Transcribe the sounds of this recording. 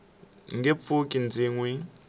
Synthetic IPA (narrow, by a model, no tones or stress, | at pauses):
ŋɡɛp̪fʰukʼind͡ziːŋwɛ